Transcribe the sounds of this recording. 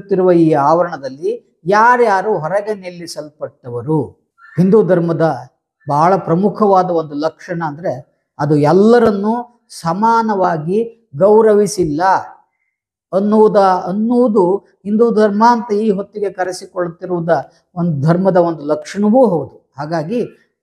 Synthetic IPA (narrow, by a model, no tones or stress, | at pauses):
t̪ːiɾuʋɐiːaːʋɐɾɐɳɐd̪ɐlːi | jaːɾjaːɾuɦɔɾɐɡenelːisɐlpɐʈːɐʋɐɾu | ɦind̪uːd̪ʱɐɾmɐd̪ɐ | bʱaːɐɭɐpɾɐmukʰɐʋaːd̪ɐo̞nd̪ulɐkʂɐɳɐːnd̪ɐɾe̞ | ɐd̪uɛlːɐɾɐnːu | sɐmaːnɐʋaːɡi | ɡɐwɾɐʋisilːɐ | ɐnːuʋud̪ɐɐnːuʋud̪u | hind̪uːd̪ʱɐɾmɐːnt̪ɐiːɦot̪ːiɡe̞kɐɾɐsikoɭut̪ːiɾuʋud̪ɐ | ond̪ud̪ʱɐɾmɐd̪ɐond̪ulɐkʂɐɳɐʋuːɦowd̪u | haːɡaːɡi